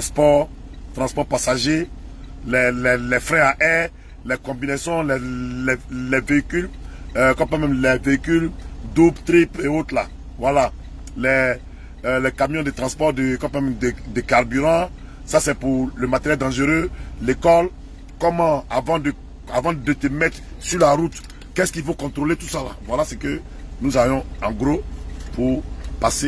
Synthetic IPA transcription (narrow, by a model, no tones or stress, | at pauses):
t̪spɔʁ | t̪ʁɑ̃spɔʁpasaʒe | lɛlɛlɛfɾɛ̃aʔɛ | lɛkɔ̃binesjɔ̃lɛlɛlɛveikyl | kɔ̃pɛ̃mɛ̃mlɛveikyld̪ubt̪ɾipeot̪la̰ | vwala | lɛ | lɛkamijɔ̃d̪ət̪ʁɑ̃spɔʁd̪əkɔ̃pmɛ̃mɛd̪ed̪ekaʁbyʁɑ̃ | sasɛpuʁləmat̪eʁjɛld̪ɑ̃ʒøʁølekɔl | kɔmɑ̃avɑ̃d̪ə | avɑ̃d̪ət̪əmɛt̪ʁ | syʁlaʁut̪ | kɛskilfokɔ̃t̪ɾolet̪usala̰vwalasekø | nuzavjɔ̃ɑ̃ɡɾopuʁpase